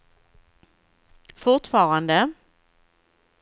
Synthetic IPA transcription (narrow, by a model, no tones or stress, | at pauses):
fʊʁt̪fɑːʁand̪ə